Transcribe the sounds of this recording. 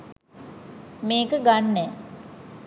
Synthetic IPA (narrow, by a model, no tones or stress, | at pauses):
meːkəɡanːɛ